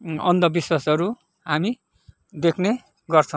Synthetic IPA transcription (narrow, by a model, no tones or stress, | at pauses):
ʌnd̪ʌbiswasʌɾu | ɦami | d̪ekʰne | ɡʌrt͡sʰʌ̃